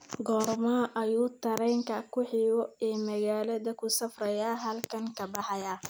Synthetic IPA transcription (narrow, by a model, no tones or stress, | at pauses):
ɡɔːrmaʔɐjuːt̪ʰɐɾɛjŋkʰɐkʰʊħiːwɔɛːmɐɣaːlɐðɐkʰʊsɐfrɐjaːɦɐlkʰɐŋkʰɐbɑħɑjaː